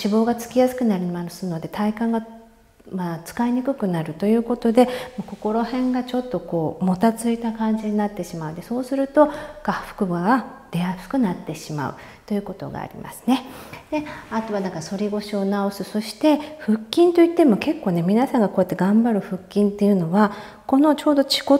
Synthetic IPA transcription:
ɕibo̞ːɡat͡sɨ̥kʲijasɨ̥kɯ̟naɾʲimasɨno̞d̪e̞t̪ʰaikãŋɡa | mat͡sɨ̥kaiɲ̟ikɯ̟kɯ̟naɾɯ̟t̪o̞jɯ̟ːko̞t̪o̞d̪e̞moko̞ko̞ɾo̞hẽ̞ŋɡat͡ɕo̞t̪ːo̞ko̞ːmo̞t̪at͡sɨit̪akãɲ̟d͡ʑiɲinat̪ːe̞ɕimaɯ̟d̪e̞so̞ːsɨɾɯ̟t̪o̞kaɸɯ̥kɯ̟ɡaɡad̪̥e̞asɨ̥kɯ̟nat̪ːe̞ɕima̰ɯ̟̰ | t̪o̞jɯ̟ːko̞t̪o̞̰ɡa̰ːɾʲḭma̰sɨ̥ne̞d̪̥e̞at̪o̞βanãŋkaso̞ɾʲiɡo̞ɕio̞nao̞sɨso̞ɕi̥t̪e̞ɸɯ̟kʲːĩnt̪oit̪ːe̞mo̞ke̞kːo̞ːne̞mʲinasãŋɡakojat̪ːe̞ɡãmbaɾɯ̟ɸɯ̟kʲːĩnt̪ːe̞jɯ̟no̞βa | ko̞no̞t͡ɕo̞ːd̪o̞t͡ɕi̥ko

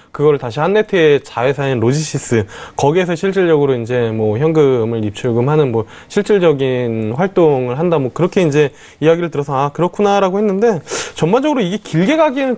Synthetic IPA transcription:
kɯɡʌɾɯɭtaɕʰihanːe̞tʰɯet͡ɕawe̞sʰaenɾod͡ʑiɕʰis͈ɯkʌɡies̬ʰʌɕʰiɭt͡ɕ͈iɭd͡ʑʌɡɯɾoind͡ʑe̞mwʌçjʌŋɡɯmɯɭip̚t͡ɕʰuɭɡɯmɦanɯnmwʌ | ɕʰiɭt͡ɕ͈iɭd͡ʑʌɡinɸwaɭt͈oŋɯɭɦandamwʌkɯɾʌkʰe̞ind͡ʑe̞ | iaɡiɾɯɭtɯɾʌsʰʌakɯɾʌkʰunaɾaɡohe̞nːɯnde̞t͡ɕʌmand͡ʑʌɡɯɾoiɡe̞kiɭɡe̞ɡaɡienɯn

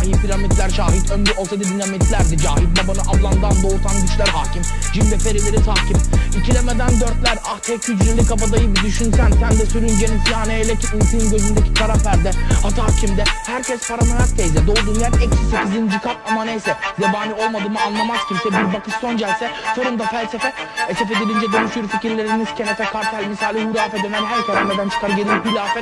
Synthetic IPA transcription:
ahipʰiɾamit̪lʲæɾʃaːɦit̪ʰønd̪yʔosed̪ib̪inamit̪lʲæɾd̪id͡ʒaːɦib̪̚babanɯʔablˠand̪and̪out̪ʰanɟyt͡ʃlæɾhaːcʰim | d͡ʒimd̪ɛpe̞ɾilʲeɾit̪ʰaːcimicʰilʲɛmed̪ænd̪øɾt̪lʲæɾaht̪hecʰyd͡ʒ̪ɾimlʲikʰapad̪ajɯbid̪yʃynsænsænd̪ɛsyɾynd͡ʒeninfijaːnejelʲɛciynkyunɟøzynd̪ecʰi̥t̪ʰaɾafæɾd̪ɛhat̪ʰaːcʰimd̪ɛhæɾcʰɛspʰaɾamaɾak̚t̪ʰejzɛd̪o̞ːd̪uːnjɛɾɛcsisecʰizind͡ʒikʰatamanejsɛjabaːnio̞lˠmad̪ɯːmɯanlˠamaz̥cʰibsɛbiɾbakʰɯʃso̞nd͡ʒɛlʲsɛfo̞ɾumd̪afælʲsefɛesefed̪elʲind͡ʒɛd̪onuʃuɾficiɾlʲe̞ɾiniscʰenet̪ʰɛkʰaɾt̪ʰælʲmisaːlʲihuɾaːfɛd̪ɛmɛlɦæɾk̪ʰaɾammɛd̪ænt͡ʃʰɯ̥kaɾɟe̞nilʲhuɾaːfɛ

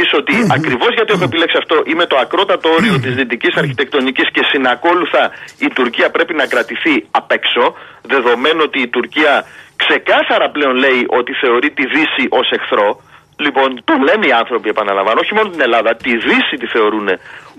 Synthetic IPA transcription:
iso̞t̪iɐkɾivo̞zʝɐt̪ie̞xue̞pile̞ksiɐft̪o̞ʔime̞t̪oɐkɾo̞t̪ɐt̪oo̞ɾio̞t̪izðit̪icisɐɾçi̥t̪e̞k̚t̪o̞nicisce̞sinɐko̞luθɐit̪uɾciɐpɾe̞pinɐkɾɐt̪iθiɐpe̞kso̞ | ðe̞ðo̞me̞noot̪iːt̪uɾciɐkse̞kɐθɐɾɐple̞o̞nle̞iʔo̞t̪iθe̞o̞ɾit̪iðisiʔo̞se̞xθɾo̞ | lipo̞nt̪ole̞niɐnθɾo̞pie̞pɐnɐlɐ̰mvɐno̞çimo̞not̪ine̞lɐðɐt̪iðisit̪iθe̞o̞ɾune

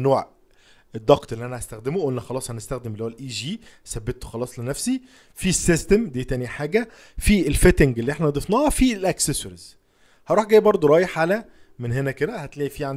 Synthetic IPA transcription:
noːʕ | ed̪ˤːɑqt̪ʔelːiʔænæhæst̪æxd̪emoʔulnæxɑlɑːsˤhænest̪æxd̪emelːiowælʔiːʒiːsæbːet̪ːo̥xɑlɑːsˤlenæfsi | fisːest̪emd̪iːt̪æniħaːɡæ | fielfet̪eŋɡelːiʔeħnænɑd̪ˤefnɑhɑfilʔæksesoɾiz̥ | hɑɾˤuːħɡæːjbɑɾˤd̪ˤoɾˤɑːjeħʕalæ | menɦenæked̪æhæt̪læːʔifiːʕan

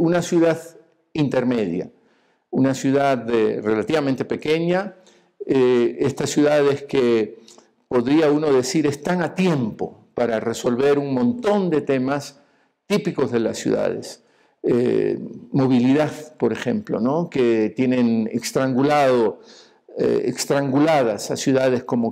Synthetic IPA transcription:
unasjuðað | int̪e̞ɾme̞ðja̰ | unasjuðaðere̞lat̪iβamẽnt̪epe̞ke̞ɲa | eest̪asːjuðaðeske | po̞ðɾiauno̞ðe̞siɾe̞st̪aŋat̪je̞mpo̞̰paɾare̞so̞lβe̞ɾuŋmõ̞nt̪o̞nd̪e̞t̪e̞mas | t̪ipiko̞zðe̞lasːjṵða̰ð̞ḛs | ḛ | mo̞β̞iliðaðpo̞ɾexe̞̰mplo̞̰no̞ke̞t̪je̞nẽ̞nḛkst̪ɾaŋɡulaðo | ḛḛkst̪ɾaŋɡulaðasasjuðað̞e̞sko̞mo

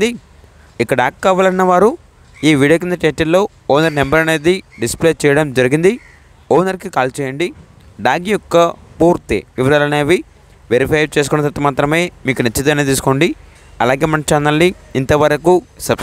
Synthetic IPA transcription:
i | ikːɐɽaːkːaːʋaːlɐinːɐʋaːɾu | iːʋiːɽijoːk̬ind̪ɐʈeːʈillo̞ː | ɔːnɐɾnembɐɾɐne̞ːd̪iɖispleːt͡ʃɛːjɐɽɐmd͡ʒɐɾiɡind̪i | ɔːnɐɾkikaːlt͡ʃɛːjɐɳɖi | ɖaːɡijɔkːɐpuːɾt̪ḭʋiʋɐɾaːlɐneːʋi | ʋeɾipʰɐjt͡ʃeːs̬ukunːɐt̪ɐt̪ːɐmaːt̪ɾɐme̞ːmiːkunɐt͡ʃːɐt̪̬ɐmɐneːt̪iːs̬u̥koːɳɖi | ɐlaːɡe̞ːmɐnt͡ʃiɐnɐlniː | nt̪ɐʋɐɾɐkusɐbs

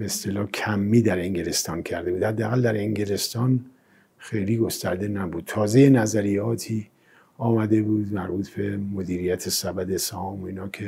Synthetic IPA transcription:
beest̪elɒːcʲʰæmːiːd̪æɾeŋɟelest̪ɒːncʰæɾd̪e̞buːd̪hæd̪ːeæɣæld̪æɾeŋɟele̞st̪ɒːn | xe̞jliːɡo̞st̪æ̰ɾd̪enæbuːd̪̥̚t̪ʰɒːzeje̞næzæɾijɒːt̪ʰiː | ɒːmæd̪e̞buːd̪mæɾbuːt̪ʰbe̞mo̞d̪iːɾijæt̪ʰesæbæd̪esæhɒːmoinɒːkʰe̞

